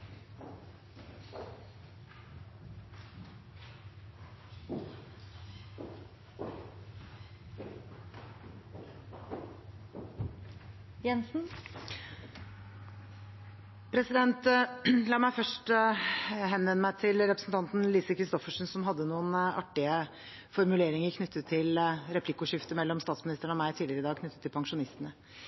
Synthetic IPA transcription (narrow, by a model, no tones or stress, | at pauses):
jɛnsn̩ | pʰɾɛsɪd̪ɛnt̪lɑːmæɪfœʂʈ | hɛnːʋɛnːəmæɪt̪ʰɪlɾɛpɾəsnt̪ʰɑnt̪n̩liːsəkʰɾɪst̪ɔfəʂnsɔmɦɑd̪ːənuːənɑʈːɪə | fɔɾmʉleːɾɪŋəɾkʰnʏt̪ʰːət̪ʰɪlɾɛpʰlɪkːʊʂɪft̪əmɛlːɔmst̪ɑːt̪smɪnɪst̪əɳɔmæɪt̪ʰiːlɪəɾəɪd̪ɑːɡ̚kʰnʏt̪ːət̪ʰːɪlpʰɑŋʂʊnɪst̪ənə